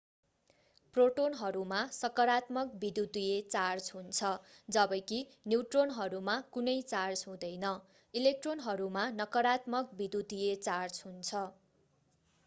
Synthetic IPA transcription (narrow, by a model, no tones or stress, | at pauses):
proʈonɦʌɾumasʌkʌɾat̪mʌk̚bid̪ut̪ijet͡sard͡zɦunt͡sʰʌd͡zʌbʌjki | njiwʈronɦʌɾumakunʌjt͡sard͡zɦũd̪ʌjnʌ | ilek̚ʈronɦʌɾumanʌkʌɾat̪mʌk̚bid̪ut̪ujet͡sard͡zɦunt͡sʰʌ